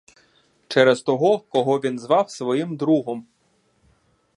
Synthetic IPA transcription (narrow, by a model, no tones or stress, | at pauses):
t͡ʃɛɾɛzt̪ɔɦɔkɔɦɔʋʲinzʋɑwsʋɔjimd̪ɾuɦɔm